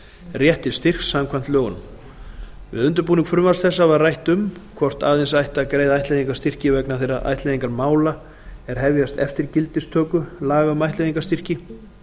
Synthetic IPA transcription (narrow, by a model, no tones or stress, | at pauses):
rjɛht̪ɪ̥st̪ir̥ksːamkʰvajm̥t̪lœːɣʏnʏm | vɪ̰ðʏnt̪ʏɾpuːniŋkfɾʏmasθɛsːavaðrajht̪ʏmkʰvɔr̥t̪a̰ːðensajht̪aːkɾeːjðaajht̪leðiŋkast̪ir̥cɪvɛknaθejɾaʔa̰jht̪lɛðiŋkaɾmaːwla | ɛɾ̥ɦɛvjast̪ɛ̰ft̪ɪɾcɪlt̪ɪst̪ʰœːkʏlaːɣaʏmajht̪ejðiŋkḁst̪ir̥cɪ